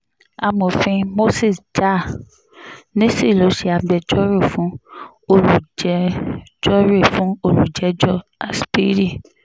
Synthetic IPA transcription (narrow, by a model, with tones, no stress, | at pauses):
a˧mõ˨fĩ˧mo˦si˦˨sd͡ʒa˦˨ | nĩ˦si˦˨lo˨˦ʃe˧a˧ɡ͡bɛ˧d͡ʒɔ˦ɾe˦˨fũ˨˦ | o˧ɾu˨d͡ʒɛ˨˦d͡ʒɔ˦ɾe˦˨fũ˨˦o˧ɾu˨d͡ʒɛ˨˦d͡ʒɔ˦˨a˨spi˦ɾi˦˨